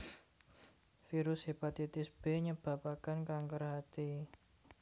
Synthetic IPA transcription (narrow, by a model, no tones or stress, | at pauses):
fiɾʊshepat̪it̪ɪsb̥e̤ɲəb̥a̤pakankaŋkərɦat̪i